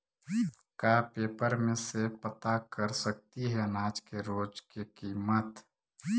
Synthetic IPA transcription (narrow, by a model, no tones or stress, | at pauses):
kapeːpəɾmẽsepət̪akəɾsək̚t̪iɦɛənaːd͡ʒkeɾoːd͡ʒkekiːmət̪